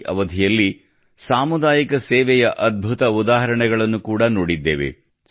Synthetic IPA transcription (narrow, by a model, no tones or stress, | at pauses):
ʔɐ̰ʋɐd̪ʱijɐlːi | saːmud̪aːjikɐsɛːʋɛjɐʔɐd̪̚bʱut̪ɐud̪aːɦɐɾɐɳɛɡɐɭɐnːukuːɽɐnoːɽid̪ːeːʋḛ